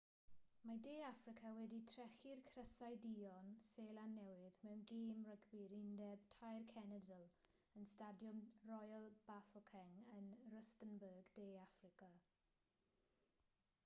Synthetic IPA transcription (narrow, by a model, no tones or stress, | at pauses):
madeːafrɪkʰawɛditʰrɛxɪrkʰrəsajdiɔnseːlanːɛwɪðmɛwnɡeːmrəɡbɪɾɪndɛb̚tʰajrkʰɛnədəlˠ | ənstadjɔnrɔjlˠb̥afɔkʰɛŋənrəstənbəɡdeːafrɪkʰa